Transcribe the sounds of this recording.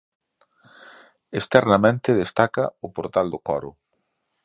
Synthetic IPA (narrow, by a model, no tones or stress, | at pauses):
est̪ɛɾnɐmẽnt̪ɪðest̪akɐ̰ʊpoɾt̪ald̪ʊkɔ̰ɾʊ̰